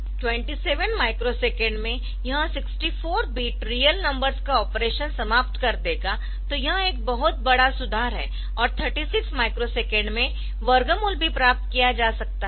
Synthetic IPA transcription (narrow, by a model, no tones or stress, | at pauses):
ʈwɛ̃ɳʈiseːʋənmaːɪkɾoseːkẽɳɖmẽ | jɐɦãsɪksʈifoːɾbiːʈɾiːjəlnɐ̃mbəɾzkaɔːpɾeːʃənsɐmaːpt̪kɐɾt̪eka | t̪ojɐɦãeːk̚bɐɦʊt̪̚bɐɽasʊd̪ʱaːɾɦɛ̰ː | ɔːɾt̪ʰəɾʈiːsɪksmaːɪkɾoseːkɛ̃ɳɖmẽ | ʋəɾɡəmʊlbʱipɾaːp̚t̪kijad͡ʒaːsɐk̚t̪aɦɛ